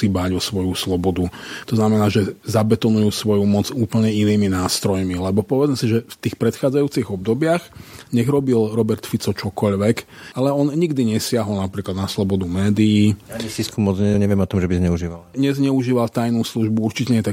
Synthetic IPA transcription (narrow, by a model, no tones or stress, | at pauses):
iːbaɟɔsʋɔjuslɔbɔd̪ut̪ɔznamɛnaːʒɛzabɛt̪ɔnujuːsʋɔjumɔd͡zuːpl̩ɲɛiniːminaːst̪ɾɔjmilɛbɔpɔʋɛd͡zmɛsiʒɛft̪iːxpɾɛt̪xaːd͡zajuːt͡siɣɔb̚d̪ɔbɪaɣɲɛɣɾɔbilɾɔbɛɾt̪fit͡sɔt͡ʃɔkɔʎʋɛkʔalɛɔnɲiɡd̪iɲɛsɪaɦɔlnapɾiːklad̪naslɔbɔd̪umɛːd̪iiːsiskumɔd͡zɲɛɲɛʋɪɛmɔt̪ɔmʒɛbizɲɛuʒiːʋalɲɛzɲɛuʒiːʋalt̪ajnuːsluʒbuuɾt͡ʃicɛɲɛjɛt̪a